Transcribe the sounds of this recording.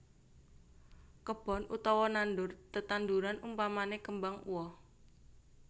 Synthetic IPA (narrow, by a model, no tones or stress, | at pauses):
kəb̥ɔ̤nut̪ɔwɔnandʊrt̪ət̪and̪uɾanumpamanekəmbaŋṵwɔ